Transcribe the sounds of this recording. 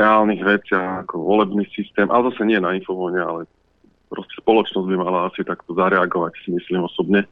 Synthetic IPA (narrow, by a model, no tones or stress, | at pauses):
ɛaːlniɣʋɛt͡sɪaakɔʋɔlɛbniːsist̪ɛːmʔa̰lɛzasɛɲɪɛnainfɔfɔɲɛa̰lɛ | pɾɔscɛ̥spɔlɔt͡ʃnɔzɟbimalaasit̪akt̪ɔzaɾɛaɡɔʋacsimislimɔsɔbɲɛ